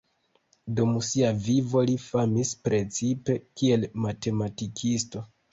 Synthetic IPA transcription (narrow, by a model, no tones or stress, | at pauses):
dumsiavivo̞lifamispɾe̞t͡sipe̞kie̞lmate̞matikʰisto̞